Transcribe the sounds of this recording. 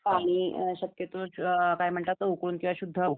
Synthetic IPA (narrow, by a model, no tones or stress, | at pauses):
paɽ̃iɕəkjet̪okajm̤əɳʈ̪at̪ːəukluːnkĩwʋaɕud̪ʱːə